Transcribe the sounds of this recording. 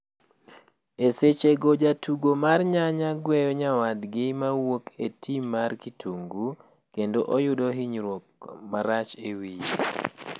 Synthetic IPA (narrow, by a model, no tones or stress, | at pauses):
eset͡ʃeɡod͡ʒatʰuɡomarɲaɲaɡwɛjɔɲawadɡɪmawokʰetʰimːarkitʰuŋɡu | kendoʔɔjʊdɔɦiɲɾwok̚maɾat͡ʃewi